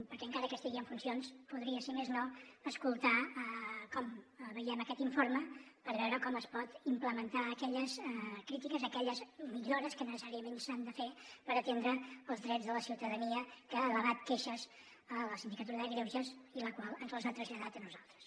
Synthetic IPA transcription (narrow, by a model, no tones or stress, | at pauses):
pəɾkɛəŋkaɾəkəst̪iɣiəɱfunsionspuðɾiəsimeznɔəskulˠt̪a | kɔmβəjɛməkɛt̪iɱfoɾməpəɾβɛwɾəkɔməspɔt̪impləmənt̪aəkɛʎəzkɾit̪ikəzəkɛʎəzmiʎoɾəskənəsəsaɾiəmensand̪əfepəɾət̪end̪ɾəːlˠzðɾɛd͡zzðələsiwt̪əðəniəkəːləβat̪keʃəz | ələsind̪ikət̪uɾəðəɣɾewʒəziləkwalˠənzləzat̪ɾəzʎəðat̪ənuzalˠt̪ɾəs